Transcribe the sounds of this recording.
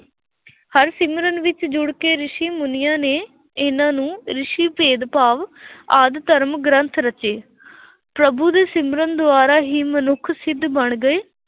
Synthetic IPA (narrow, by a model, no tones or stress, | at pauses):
həɾsɪmɾənʋɪt͡ʃd͡ʒʊɽkeːɾɪʃiːmʊnɪjãːneː | ɪnãːnũːɾɪʃiːpeːd̪paːʋaːd̪t̪əɾmɡɾə̃nt̪ʰɾət͡ʃeː | pɾəbuːd̪eːsɪmɾənd̪ʊaːɾaːɦiːmənʊkʰsɪd̪bəɳɡəeː